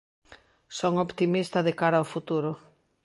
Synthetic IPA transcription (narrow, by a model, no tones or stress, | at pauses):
soŋopt̪imist̪ɐðekaɾaofut̪uɾʊ